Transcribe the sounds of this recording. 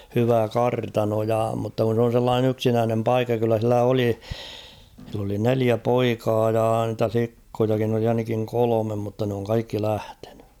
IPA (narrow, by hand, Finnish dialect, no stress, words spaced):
hyʋæ kɑrtɑno jɑ mutːɑ kun̞ s on̞ selːɑːnen yksinæːnem pɑikːɑ kylːæ silːæ oli silː oli neliæ poikɑː jɑː ntæ flikːojɑkin oli ɑinɑkiŋ kolomem mutːɑ n oːŋ kɑikːi læhte̥n̥ẙ